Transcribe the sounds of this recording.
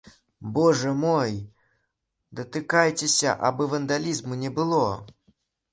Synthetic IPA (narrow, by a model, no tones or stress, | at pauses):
bɔʐɐmɔj | d̪ɐt̪ɨkajt͡sʲɛsʲɐ̰ʔa̰bɨvɐnd̪alʲizmunʲɛbɨlˠɔ